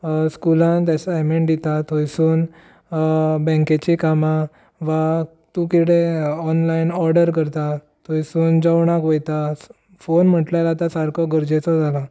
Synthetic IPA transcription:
skulãnt̪jasəameɳʈɖ̪it̪at̪ojsuːn | bɛ̃ŋket͡ɕikama | ʋa | t̪ũkiɽeɔnlainɔɾɖəɾk̬əɾt̪a | t̪ʰojsuːnd͡zawɳakʋojt̪a | fonm̤əʈlajlat̪asaɾkʰɔɡəɾd͡ʑet͡sɔd͡zʱala

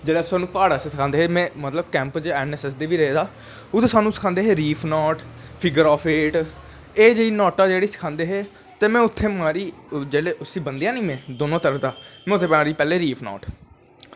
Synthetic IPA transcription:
d͡ʒeːɽaːsaːnũːpaːɽaːseːsɪkʰãːnd̪eːɦemɛ̃ːmət̪ləbkɛ̃ːmpt͡ʃɛːnɛːsɛs̬d̪eːʋiːɾəɦeːd̪aː | ʊt̪eːsaːnũːsə̥kʰãːnd̪eːɦeːɾiːpʰnɔːʈpʰɪɡəɾɔːpʰeːʈ | eːd͡ʒeːiːnɔːʈaːd͡ʒeːɽeːsə̥kʰãːnd̪eːɦeː | t̪eːmɛ̃ːʊt̪ʰːeːmaːɾiːd͡ʒeːɽeːʊsiːbənd̪ijãːnĩːmẽːd̪oːnõːt̪əɾəfʰd̪aːmɛ̃ːʊt̪ʰːeːpaːɾiːpɛːleːɾiːpʰnɔ̰ːʈ

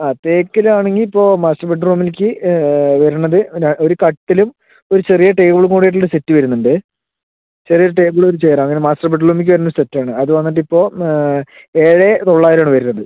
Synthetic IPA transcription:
aːt̪e̞ːkːɐlaːɳe̞ŋɡilipːo̞ːmaːstɐrbeʈːruːmilkʲːɨʋɐɾuɳːɐðɨao̞ɾukɐʈːilum | o̞ɾut͡ɕe̞rijɐʈe̞ːɡuɭuŋkuːɽijeʈ̬ːoɭoɾusetːɨʋɐɾunːuɳɖɨ | t͡ɕerijɐʈeːbuɭoɾut͡ɕeːɾɐmɐŋːɐnemaːsʈɐrbeʈ̬ːruːmik̬ʲːɨʋɐɾunːɐusetːaːɳɨɐðɨʋɐnːiʈ̬ːipːo̞ː | eːɻet̪o̞ɭːaːjɾaːɳɨʋɐɾunːɐðɨ

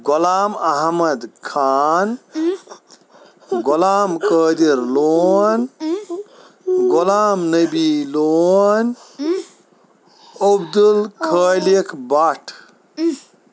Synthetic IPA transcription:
ɡolaːmɐɦmɐd̪kʰaːn | ɡolaːmkəːd̪iɾloːn | ɡolaːmnəbiloːn | obd̪ulkʰəːlekʰbaʈʰ

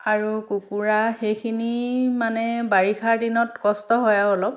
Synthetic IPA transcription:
aɹukukuɹaxejkʰinimanɛbaɹixʰaɹdinɔtkɔstɔɦɔjaolɔp̚

